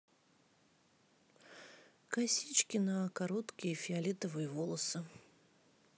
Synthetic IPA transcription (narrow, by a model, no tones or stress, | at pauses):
kɐsʲit͡ɕkʲɪnɐkaɾot̪kʲɪjəfʲɪɐlʲit̪əvɨjəvolˠəsɨ